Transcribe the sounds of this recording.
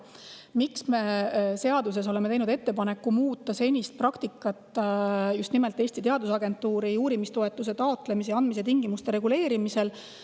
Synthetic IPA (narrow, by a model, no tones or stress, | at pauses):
miksme̞se̞ɑd̪us̬e̞s̬o̞le̞mee̞jnud̪e̞t̪ːe̞pɑne̞kːumuːt̪ˑːɑse̞nʲist̪̚prɑkt̪ikːˑɑt̪ːˑjust̪nimelt̪ːˑe̞ːsʲt̪it̪eɑd̪usɑɡe̞nt̪ːˑuːɾiuːɾimist̪o̞e̞t̪ːˑus̬e̞t̪ɑo̞t̪ˑle̞misejɑnd̪mis̬e̞t̪iŋɡ̥imust̪eɾe̞ɡule̞ːɾimise̞l